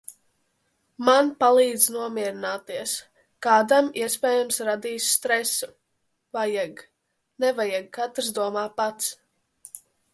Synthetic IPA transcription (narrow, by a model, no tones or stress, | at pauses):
manpalˠiːd̪znuɔmiɛɾinaːt̪iɛs | kaːd̪amiɛspɛːjamsɾad̪iːsːt̪ɾɛsu | vajɛɡ | nɛvajaɡ̚kat̪ɾsd̪uɔmaːpat̪s